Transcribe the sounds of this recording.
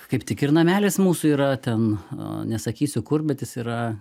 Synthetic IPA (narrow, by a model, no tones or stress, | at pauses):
kɐɪpt̪ʲɪkɪrnɐmʲæːlʲɪsmuːsʊiːɾɐt̪ʲɛnnʲɛsɐkʲiːsʲʊkʊrbʲɛt̪jɪsiːɾɐ